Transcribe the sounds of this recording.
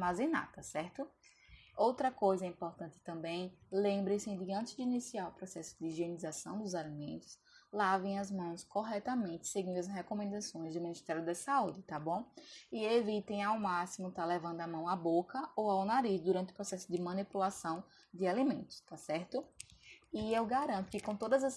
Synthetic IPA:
mazena̰t̪ɐsɛɾt̪ʊ | owt̪ɾɐkojzɐĩmpoɾt̪ɐ̃nt̪ɪ̥t̪ɐ̃mbẽj̃lẽmbɾẽsɪ̃d̪ɪɐ̃nt̪ɪzd̪ɪinisiaɾʊpɾɔsɛsʊ̥d̪ɪʒienizasɐ̃w̃d̪ʊzalimẽnt̪ʊ̥s | lavẽj̃ɐzmɐ̃w̃skoɦɛt̪ɐmẽnt̪ɪ̥seɡĩd̪ʊɐsɦɛkomẽnd̪asõj̃zd̪ʊmĩnist̪ɛɾjʊd̪ɐsaud͡ʒɪt̪abõɪevit̪ẽj̃awmasimʊt̪alɛvɐ̃nd̪ʊamɐ̃w̃abokɐowawnaɾizd̪uɾɐ̃nt̪ɪʊ̥upɾɔsɛsʊd̪ɪmɐ̃nipulasɐ̃w̃ | d̪ɪalimẽnt̪ʊ̥st̪asɛɾt̪ʊ | ɪewɡaɾɐ̃nt̪ʊkɪkõt̪od̪ɐzɐs

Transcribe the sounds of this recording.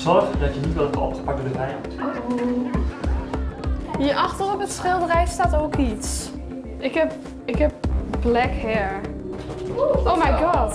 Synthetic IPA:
sɔrχdɔtjənitʋɪlˠvə̰ɔ̰ptə̥pak̚ədəɛjmut | hiəɹʔɑxtərɔpətsχɪlˠdərɛjstaːtoːkits | ʔɪkɛp̚ | ɪkhɛp̚b̥lɛkhɛɹ | owmajɡɑt

